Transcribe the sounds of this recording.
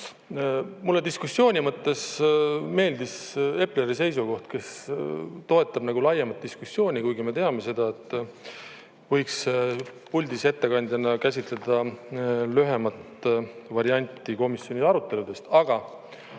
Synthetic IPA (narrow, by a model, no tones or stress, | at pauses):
mulːe̞d̪iskusːjo̞ːnʲimɤt̪ːe̞sme̞ːld̪ise̞pˑleɾise̞jsuɡo̞ht̪ke̞s | t̪o̞e̞t̪ˑːɑbnɑɡulɑjɑmɑt̪̚d̪̥iskusːjo̞ːnʲikujɡime̞t̪eɑme̞se̞d̪̥ɑe̞t̪ːˑ | vɤ̞jkspulʲd̪ise̞t̪ːe̞kɑnʲd̪jɑnːɑkæs̬ʲit̪le̞d̪̥ɑ | lyɦe̞mɑt̪vɑɾiɑnʲt̪ːˑiko̞misːjo̞nʲiɑɾut̪ːˑe̞lud̪̥e̞st̪ɑɡ̥ɑ